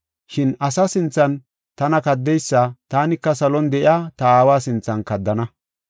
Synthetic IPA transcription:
ʃɪnɐsɐsɪnt͡sːɐn | t̪ɐnɐkɐd̪ːɛjsːɐt̪aːnɪkːɐsɐlɔnd̪ɛʔɪaːt̪ɐaːwaːsɪnt͡sːɐnkɐd̪ːɐnɐ

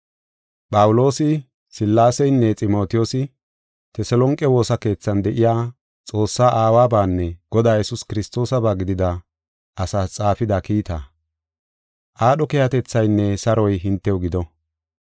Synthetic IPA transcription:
pʼɐwʊlo̞ːsɪ | sɪlːaːsɛjnːɛt͡sʼɪmo̞ːt̪ɪjosɪ | t̪ɛsɛlɔŋkʼːɛwo̞ːsɐke̞ːt͡sːɐnd̪ɛʔɪjaː | t͡sʼo̞ːsːaːʔaːwaːbaːnːɛɡ̥ɔd̪aːjɛsʊskɪɾɪst̪o̞ːsɐbaːɡɪd̪ɪd̪ɐ | ʔɐsat͡sʼaːfɪd̪akiːt̪a̰ | ʔaːɗɔkɛjɐt̪ɛt͡sːɐjnːɛsɐɾɔjɦɪnt̪ːɛwʊɡɪd̪ɔ

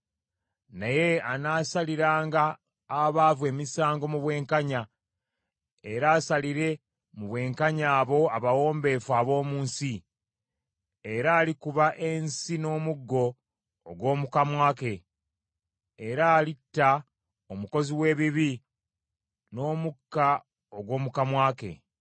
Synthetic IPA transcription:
naje̞anaːsaliɾaːŋɡaː | βaːvwe̞ːmisaːŋɡo̞muβwe̞ːŋkaɲa | eɾaːsaliɾe̞ | muβwe̞ːŋkaɲaːβo̞aβawo̞ːmbe̞ːfwaːβo̞ːmuːnsi | eɾaːlikuβaʔe̞nsino̞ːmuɡːo̞ː | ɡwo̞ːmukamwaːke̞ | eɾaːlitːa | omuko̞ziwe̞ːβiβi | no̞ːmukːa | oɡwo̞ːmukamwaːke̞̰

